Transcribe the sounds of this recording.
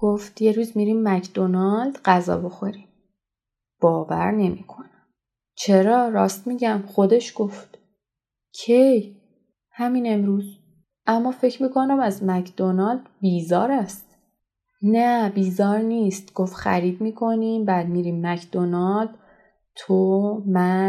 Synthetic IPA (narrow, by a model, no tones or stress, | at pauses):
ɡ̥oft̪je̞ɾuːzmiɾiːmːæcʰd̪̥o̞nɒld̪ɢæzɒ̰ːbo̞xo̞ɾiːm | b̥ɒːvæ̰ɾne̞miːkʰo̞næm | t͡ʃʰeɾɒːɾɒːst̪̚miːɟæmχo̞d̪e̞ʃɡ̥oft̪ | cʰej | hæmine̞mɾuːz | ʔæmːɒːfe̞cʰɾmiːkʰo̞næmæzmæcʰd̪̥onɒːld̪biːzɒ̰ːɾæst̪ | næbiːzɒːɾniːst̪ɡ̥ofxæ̰ɾiːd̪miːkʰo̞niːmbæːd̪̚miːɾiːmːæcʰd̪̥onɒld̪̥ | t̪ʰomæ